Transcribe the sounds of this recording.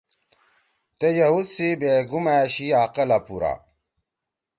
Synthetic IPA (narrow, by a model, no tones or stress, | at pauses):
t̪ejɐɦut͡sibeɡumaɕiaqɐlapuɾa̰